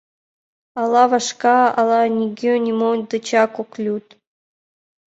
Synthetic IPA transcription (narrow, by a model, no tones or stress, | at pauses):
ɑlˠɑvɑʃkɑɑlˠɑnʲiɡʲønʲimonʲd̪ɨt͡ɕakoklʲut̪